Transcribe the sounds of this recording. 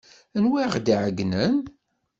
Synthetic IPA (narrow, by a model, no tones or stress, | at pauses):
ənwiʁd̪ʕəɡnən